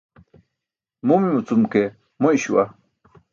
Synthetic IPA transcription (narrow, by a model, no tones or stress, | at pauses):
mumimut͡sumke | moiɕuwa